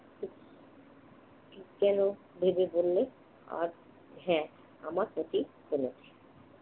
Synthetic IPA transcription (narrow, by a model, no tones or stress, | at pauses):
ki | kikɛno | bʱebebolːe | a̰ɾ | ɦɛ̃ | amaɾpɾot̪i | konet̪ʰe